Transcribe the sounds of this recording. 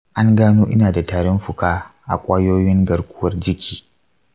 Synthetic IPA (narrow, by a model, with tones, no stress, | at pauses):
ʔa˦ŋɡaː˦nuː˦ʔɪ̰˦naː˨da˨taː˨ɽɔ˦mɸʊ˨kaː˦ʔa̰˨kʷʼaː˦joː˦jɪ˦ŋɡɐ˨ɽkʷʊ˦wɐ˨rd͡ʒɪ˦kʲʰiː˨